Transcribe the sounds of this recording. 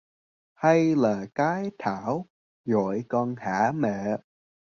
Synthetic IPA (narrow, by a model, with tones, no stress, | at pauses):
ha˧jlaː˨˩kaː˨˦jt̪ʰaː˧˩˦w | zɔ̰˨jkɔː˧nhaː˧˩˥mɛ̰˧˨